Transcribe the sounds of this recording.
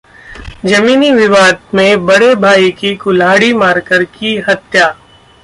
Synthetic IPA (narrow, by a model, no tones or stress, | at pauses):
d͡ʒɐmiːniʋɪʋaːd̪̚mẽbɐɽebʱaːikikʊlaːɽimaːɾkəɾkiɦɐt̪jaː